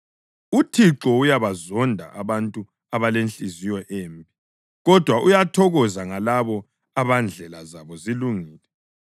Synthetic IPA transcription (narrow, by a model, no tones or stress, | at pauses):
utʰiǁɔujaβazɔndʱa̰ʔaβantʼu | aβalent͡ɬʼizijɔʔeːmbʱi | ɣɔd̥ʱwaʔujatʰɔɣɔzaŋalaβɔ | aβand͡ɮʱɛlazaβɔziluŋiːlɛ